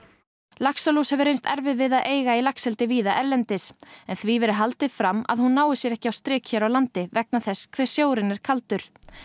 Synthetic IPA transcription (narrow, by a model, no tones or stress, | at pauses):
laksalushɛvʏɾejnst̪ɛɾvɪðvɪðaðʔeːjɣailaksɛlt̪ɪviːðaʔɛɾlɛnt̪ɪsɛnθvivɛɾɪɦalt̪ɪfɾamːa̰ðhunːaːwɪsjɛɾɛhcɪawst̪ɾɪːkçɛɾawlant̪ɪvɛk̚naθɛsːkʰvɛːɾ̥sjoːwɾɪnːɪɾ̥kʰalt̪ʏɾ̥